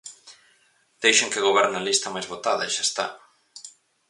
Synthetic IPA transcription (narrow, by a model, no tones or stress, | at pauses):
d̪̥ejʃeŋkɪɣoβɛɾnalist̪ɐmajzβot̪aðɐeʃast̪a̰